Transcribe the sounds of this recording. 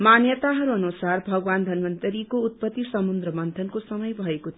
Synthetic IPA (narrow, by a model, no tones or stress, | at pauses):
manjʌt̪aɦʌɾuʌnusarbʱʌɡwand̪ʱʌnmʌnt̪ʌɾikout̪̚pʌt̪ːisʌmund̪rʌmʌnt̪ʰʌnkosʌmʌjbʱʌekot̪ʰ